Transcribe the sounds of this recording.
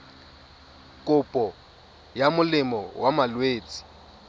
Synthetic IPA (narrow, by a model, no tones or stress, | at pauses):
kʼʊpʼɔ | jamʊlɪmɔwamalweːt͡sʼi̥